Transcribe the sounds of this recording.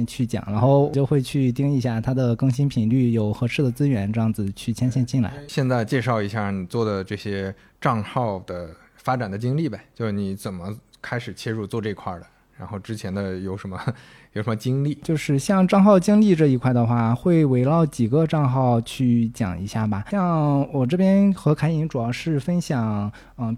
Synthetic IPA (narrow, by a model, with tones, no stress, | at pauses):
nt͡ɕʰy˥˩t͡ɕjɑ̰˨˩˦ŋɻa˧˥nxo˥˩ʊt͡ɕjo˥˧ʊxwe˥˧ɪt͡ɕʰy˥˧t̪i˥ŋi˧˥ɕja˥˩t̪ʰa˥d̪ə˨kɤ˥˧ŋɕi˥npʰi˨˩ŋly˥˩jo˨˩ʊxɤ˧˥ʂʰɻ̩˥˩d̪ə˩t͡sɹ̩˥ɥɛ˧˥nʈ͡ʂɤ˥˧jɑ˥˩ŋd͡zɹ̩˩t͡ɕʰy˥˩t͡ɕʰjɛ˥nɕjɛ˥˧nt͡ɕi˥˩nla̰˧˥ɪɕjɛ˥˧nt͡sa˥˧ɪt͡ɕjɛ˥˧ʂɑ˥˩ʊi˧˥ɕja˥˩ni˨˩t͡swɔ˥˩d̪ə˩ʈ͡ʂɤ˥˩ɕjɛ˥ | ʈ͡ʂɑ˥˧ŋxɑ˥˩ʊd̪ə˩ | fa˥ʈ͡ʂa˨˩nd̪ə˦t͡ɕi˥ŋli˥˩ba˨˩t͡ɕjo˥˧ʊʂ̩˥˩ni˧˥t͡sə˨˩nmə˦kʰa˥ɪʂɻ̩˨˩t͡ɕʰjɛ˥ɻu˥˧t͡swɔ˥˧ʈ͡ʂɤ˥˩i˧˥kʰwa̰˥˩d̪ə˩ | ɻa˧˥nxo˥˩ʊʈ͡ʂɻ̩˥t͡ɕʰjɛ˧˥nd̪ə˧jo˨˩ʊʂə˧˥nmə˧ | jo˨˩ʊʂə˧˥mə˧t͡ɕi˥ŋli˥˩t͡ɕjo˥˧ʊʂɻ̩˥˧ɕjɑ˥˧ŋʈ͡ʂɑ˥˧ŋxɑ˥˩ʊt͡ɕi˥ŋli˥˧ʈ͡ʂɤ˥˩i˧˥kʰwa˥˩ɪd̪ə˩xwa˥˩xwe˥˩ɪwe˧˥ɪlɑ˥˩ʊt͡ɕi˨˩ɡə˧˦ʈ͡ʂɑ˥˧ŋxɑ˥˧ʊt͡ɕʰy˥˩t͡ɕjɑ̰˨˩ŋi˧˥ɕja˥˩bɐ˩ɕjɑ˥˩ŋwɔ˨˩ʈ͡ʂɤ˥˩pjɛ˥nxɤ˧˥kʰa˧˥ɪi˧˥ŋʈ͡ʂu˨˩jɑ˥˧ʊʂɻ̩˥˩fə˥nɕjɑ˨˩˦ŋ | ə˥˩